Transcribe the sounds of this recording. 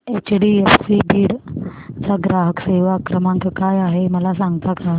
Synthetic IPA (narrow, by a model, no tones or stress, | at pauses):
et͡ɕɽiefsibiːɽt͡saɡɾaɦəkseʋaːkɾəmãŋkkajaɦeməlas̬aŋɡt̪aka